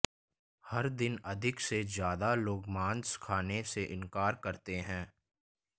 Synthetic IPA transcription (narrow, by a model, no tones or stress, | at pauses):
hɐɾd̪ɪnɐd̪ʱɪksezjaːd̪aloːɡmãːnskʰaːneseʔɪ̃nkaːɾkɐɾt̪eɦɛ̃ː